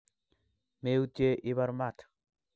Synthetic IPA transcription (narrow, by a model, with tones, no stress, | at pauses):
me˦u˦tje˦ʔi˦βa˦ɾma˨t